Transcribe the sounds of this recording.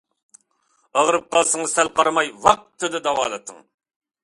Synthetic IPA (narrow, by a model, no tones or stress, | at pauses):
əʁɾɨp̚qɑlˠsɨŋɨsælqɑɾmɑjwɑq̚t̪ʰːɨd̪ɨd̪ɑwɑ̰ːlˠɨt̪ʰɨŋ